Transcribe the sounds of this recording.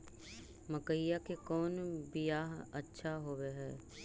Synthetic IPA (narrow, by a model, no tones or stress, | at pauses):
mɐkəjːakekɔːnbijaːɦɐtːʃʰaɦoweɦɛ̰ː